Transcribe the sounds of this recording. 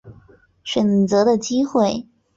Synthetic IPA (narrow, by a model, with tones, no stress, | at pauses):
ɕɥɛ˨˩nt͡sɤ˧˥d̪ə˧t͡ɕi˥xwe˥˩ɪ